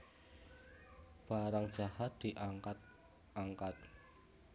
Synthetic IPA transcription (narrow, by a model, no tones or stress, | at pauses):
b̥aɾaŋd̥ʒ̥ahat̪̚d̪̥iʔakat̪̚ | aŋkat̪̚